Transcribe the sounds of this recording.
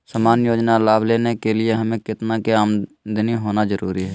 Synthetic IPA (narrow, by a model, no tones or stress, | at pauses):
səmaːnjoːd͡ʒnalaːbleːnekelɪeɦɐmẽkɪt̪nakeaːmd̪ʱəniɦoːnazəɾuːɾiɦɛː